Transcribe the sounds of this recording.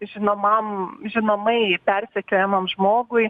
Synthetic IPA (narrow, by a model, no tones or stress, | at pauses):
ʒʲɪnoːmɐmʒʲɪnoːmɐɪpʲɛrʲsʲɛkʲoːjɛmɐmʒmoːɡʊɪ